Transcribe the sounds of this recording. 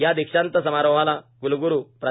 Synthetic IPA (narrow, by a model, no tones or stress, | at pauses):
jad̪ikʂant̪əsəmaɾəʋalaɡuluɡuɾuːpɾə